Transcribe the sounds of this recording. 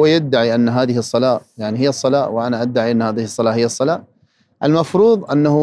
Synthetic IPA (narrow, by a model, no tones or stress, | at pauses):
ajad̪ːaʕiʔanːɦaːðɪhɪsˤːɑlaːjaʕniɦɪjːɑsˤːɑlaːwɪʔanaʔad̪ːaʕiʔanːhaːðɪhɪsˤːɑlaːhɪjːasˤːɑlaː | ʔalmɑfɾuːðˤʔanːahʊ